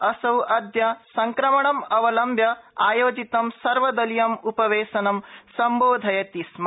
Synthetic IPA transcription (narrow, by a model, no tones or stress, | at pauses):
ɐsɐwʔɐd̪jɐsɐŋkɾɐmɐɳɐmɐʋɐlɐmbʱjɐaːjoːd͡ʒit̪ɐmsɐɾʋɐd̪ɐlijɐmupɐʋeːʃɐnɐmsɐmboːd̪ʱɐjɐt̪ism